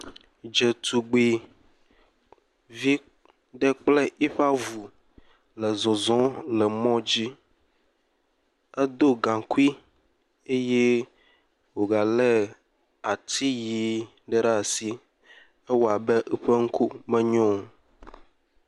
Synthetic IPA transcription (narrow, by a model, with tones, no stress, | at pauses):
d͡ʒɛ˨t̪u˨ɡ͡bi˨ | vi˦ | ɖɛ˦k͡plɛ˦ʔi˦ɸa˦vu˨ | lɛ˨zɔ̃˨zɔ̃˦lɛ˨mɔ̃˦d͡ʑi˦ | ɛ˦d̪o˦ɡã˨ku˦i˦ | e˦je˦ | wo˨ɡa˨lɛ˦ | a˨t̪i˦ji˨ | ɖɛ˦ɖa˦˨si˦ | ɛ˦wo˨a˨bɛ˦ʔɛ˦ɸe˦ŋ̩˦kʰu˦mɛ̃˦ɲɔ̃˦˨